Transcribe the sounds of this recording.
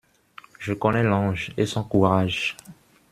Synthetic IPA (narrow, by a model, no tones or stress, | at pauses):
ʒəkɔnɛlɑ̃ʒesɔ̃kuʁaʒ